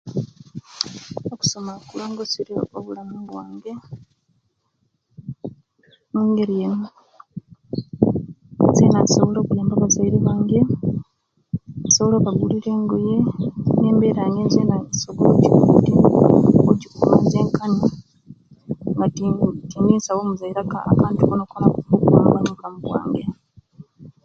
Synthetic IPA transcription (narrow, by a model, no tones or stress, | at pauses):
oku̥so̞makulaŋɡosiɾioβulamiɡwaːŋɡe | muːŋɡeɾiem | zeːnasoβolo̞ːkujaːmbaːβazaiɾiβaːŋɡe̞ | asoβoloβaɡuliɾe̞ːŋɡoje̞ne̞ːmbeɾaŋɡezenasoɡolociβuudi | oɟikumoze̞ːŋkani | ŋɡatiːŋɡiːsawoːmuzaiɾaka̰ːkaːntukonokonakuokuwa̰maβaɲulamuβwa̰ːŋɡeɾa